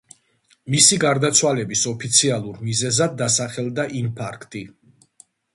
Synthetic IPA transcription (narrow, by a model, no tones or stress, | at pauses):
misiɡaɾd̪at̪sʰwalɛbisɔpʰit̪sʰialˠuɾmizɛzad̪ːasaχɛlˠd̪aʔimpʰaɾkʰt̪ʼi